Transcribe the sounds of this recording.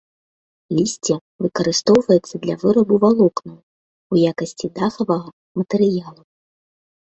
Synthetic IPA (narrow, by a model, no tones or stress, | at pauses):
lʲisʲt͡sʲɛ | vɨkɐɾɨst̪ɔwvɐjɛt̪sːɐd̪lʲɐvɨɾɐbuvalˠɔknɐw | ujakɐsʲt͡sʲid̪axɐvɐɣɐ | mɐt̪ɛɾɨjalˠu